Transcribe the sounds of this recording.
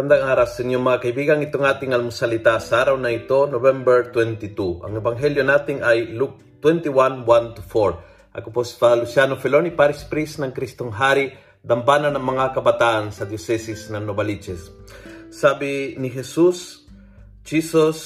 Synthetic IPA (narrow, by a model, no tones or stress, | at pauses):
and̪aŋaːɾasɪnjoŋmɐŋakɐibiːɡɐŋɪt̪oŋaːt̪ɪŋɐlmʊsɐlit̪asaːɾawnɐɪt̪o̞nobɛmbɛɹt̪wɛnt̪it̪uʔɐ̰ŋɛbaŋɦɛljonaːt̪ɪŋajluk̚t̪wɛnt̪iwanwant̪ʊfoɹ | ʔɐ̰kʊpospalusjanofɛlonipaɾɪspɾisnɐŋkɾist̪oŋɦaːɾi | d̪ɐmpananɐŋmɐŋakɐbɐt̪aʔansɐd̪josɛsisnɐŋnobɐlit͡ʃɛsː | aːbiniɦɛsus | d͡ʒisos